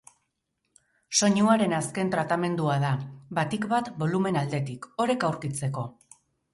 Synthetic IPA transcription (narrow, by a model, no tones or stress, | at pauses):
so̞ɲuaɾe̞naske̞nt̪ɾat̪ame̞nd̪uaðabat̪ikbat̪bo̞lume̞nald̪e̞t̪iko̞ɾe̞kawɾkit͡se̞ko̞